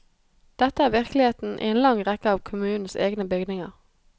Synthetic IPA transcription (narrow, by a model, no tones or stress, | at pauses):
d̪̥ɛt̪əæːʁʋɪʁklɪheːt̪n̩ʔḭeːnlɑŋʁɛkəɑːʋkʰʊmʉːnn̩sḛːɡnəbʏɡnɪŋə̰ʁ